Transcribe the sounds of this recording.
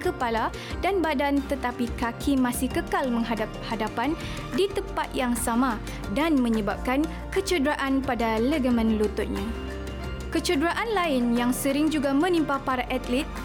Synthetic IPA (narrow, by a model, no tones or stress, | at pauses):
kəpala | danbadant̪ət̪apikakʰimãsɪhkəkalmə̃ŋɦadap̚hadapan | dit̪əmpat̪̚jaŋsamã | danmə̃ɲəbap̚kan | kət͡ʃudɾaʔanpadaləɡəmə̃nlut̪ʊt̪̚ɲa | kət͡ʃudɾaʔanlaɪnjaŋsəɾɪŋd͡ʒuɡamə̃nimpapaɾaʔat̪lit̪̚